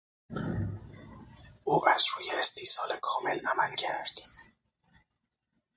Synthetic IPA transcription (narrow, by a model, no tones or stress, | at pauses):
ʔuːʔæzɾuːjeːst̪ʰiːsɒːlekʰɒːmelæmælcʰæɾd̪̥